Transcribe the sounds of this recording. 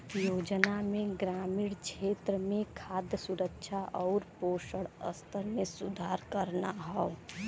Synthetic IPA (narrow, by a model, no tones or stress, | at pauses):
joːd͡ʒnamẽɡɾaːmiɽt͡ʃʰet̪ɾəmẽkʰaːd̪jəsuɾəkʃʰaʔɔːɾpoːʃəɽə̰st̪ʰəɾmesud̪ʱaːɾkəɾnaɦɔo